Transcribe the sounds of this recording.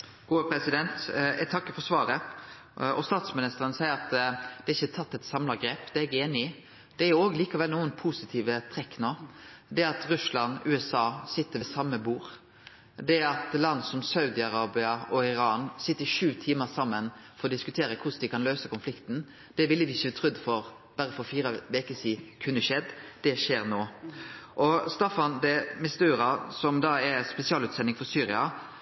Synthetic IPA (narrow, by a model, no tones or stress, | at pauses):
ɡ̥uːəpʰɾɛsɪd̪ɛnt̪ɛt̪ʰɑkːəfɔsʋɑːɾə | ɔst̪ɑːt̪smɪnɪst̪əɾənəsæɪəɾɑt̪d̪̥ɛɪçːət̪ʰɑt̪ːɛt̪sɑmlɑɡɾeːpd̪ɛɛɡeːnɪ | d̪̥ɛæɾjʊoːɡəliːkɑʋɛlnuːənpʰusɪt̪ʰiːʋət̪ʰɾɛkːnoːd̪ɛɑt̪ɾʉslɑnʉːɛsɑːsɪt̪ːəʋɛsɑmːəbuːɾ | d̪ɛɑt̪lɑnd̪əsɔmsɑʉd̪ɪɑɾɑːbɪɑɔɪɾɑːnsɪt̪ːəʂʉːt̪ʰiːməsɑmːənfɔɾʁɔd̪ɪskʉt̪ʰeːɾəkʰʊsd̪ɪkɑnløːsəkʊnflɪkt̪n̩ | d̪̥ɛʋɪlːəʋɪɪçət̪ʰʁʉd̪fɔɾ | b̪æɾəfɔɾfiːɾəʋɛkəsiːkʰʉnːəʃɛd̪ːd̪̥ɛʃeːɾnoːʔɔst̪ɑfɑnd̪ɛmɪst̪ʉːɾɑsɔmd̪ɑːɛspɛsɪɑːlʉːt̪sɛnɪŋfɔɾsyːɾɪɑ